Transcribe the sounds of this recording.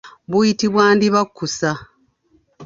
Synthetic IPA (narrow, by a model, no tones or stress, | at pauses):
βujitiβwaːndiβakːusa